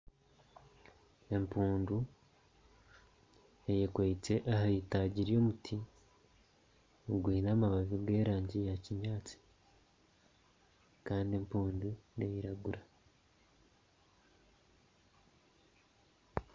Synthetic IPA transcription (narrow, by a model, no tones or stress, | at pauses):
e̞mpuːndu | ejekweit͡se̞ʔaɦaitaɟiɾjo̞mutʰi | oɡwiːnaːmaβaβiɡe̞ːɾaːɲɟijaciɲaːt͡si̥ | kaːndie̞mpuːndunejiɾaɡuɾa